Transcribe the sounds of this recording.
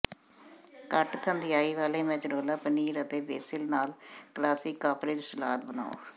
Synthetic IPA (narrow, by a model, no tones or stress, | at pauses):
kəʈkʰənd̪ɪjaːiːʋaːleːmɛ̃t͡ʃɖoːlaːpəniːɾət̪eːbeːsɪlnaːlkəlaːsɪkːaːpʰɾɪd͡ʒsəlaːt̪̚bəna̰ːo̰ː